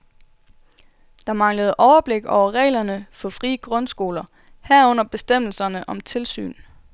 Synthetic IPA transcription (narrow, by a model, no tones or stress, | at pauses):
d̥ɑ̈mɑ̈ŋləð̞̩ˠʔɒʊɐb̥le̝ɡ̥ɒʊɐʁɛ̰ːlɐnəfɒ̽fʁiːəɡ̥ʁɔnsɡ̥o̝ːlɐ | hæɐɔ̽n̰ɐb̥e̝sd̥em̰l̩sɐnəʔɒ̽mt͡sʰe̝lsy̰ːn